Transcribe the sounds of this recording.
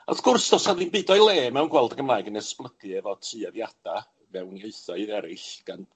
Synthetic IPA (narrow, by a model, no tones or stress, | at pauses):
ɔ̰θɡ̥ʊrsdɔsaðinbiːdɔjlˠeːmɛwnɡwɛlˠdəɡəmlˠaːɨɡənɛsplˠəɡ̥ɨɛvɔtʰrɨaðjad̥a | mɛwnieɨθɔɨðɛɾɪɬɡ̥an